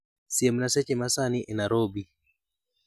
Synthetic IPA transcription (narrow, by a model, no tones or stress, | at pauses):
siemnasɛt͡ʃemasaniʔenaɾobi